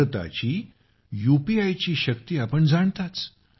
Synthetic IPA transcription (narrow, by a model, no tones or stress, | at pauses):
ət̪a̰t͡ɕiː | jupiajt͡ɕiːɕək̚t̪iːapəɳd͡zaɳt̪at͡s